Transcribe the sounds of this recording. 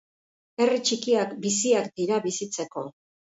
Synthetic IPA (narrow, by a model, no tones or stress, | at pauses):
e̞rit͡ʃikiakbisiakd̪iɾaβisit͡se̞ko̞